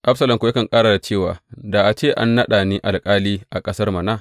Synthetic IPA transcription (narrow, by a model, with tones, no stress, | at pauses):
ʔa˦sɐ˨lɐ˨mkʷo˨˦ja˦kɐ˨ŋkʼaː˦ɽa˨da˨t͡ʃeː˦˨waː˨da˨ʔa˨t͡ʃeː˦˨ʔa̰˦nːɐ˦ɗa˨niː˦ʔa˨lkʼaː˦liː˦ʔa˨kʼɐ˦sɐ˦rmɐ˨na˦˨